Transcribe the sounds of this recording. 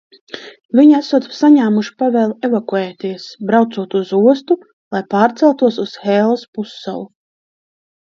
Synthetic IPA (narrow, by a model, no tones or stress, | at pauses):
vʲiɲæsuɔt̪saɲaːmuʃi̥pavɛːlˠɛvakuɛːt̪iɛsbɾawt̪suɔt̪uzuɔst̪u | lˠajpaːɾt̪sɛlˠt̪uɔs̬usxɛːlˠaspusːa̰lˠu